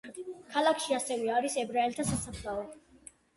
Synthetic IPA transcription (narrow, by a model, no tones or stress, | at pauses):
kʰalˠakʰʃiasɛvɛaɾisɛbɾaɛlt̪ʰasasapʰlaɔ